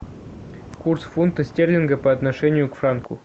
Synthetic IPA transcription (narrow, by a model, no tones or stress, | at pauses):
kursfunt̪əsʲtʲerʲlʲɪnɡə̆pəat̪nɐʂɛnʲɪjukfrɑnkʰu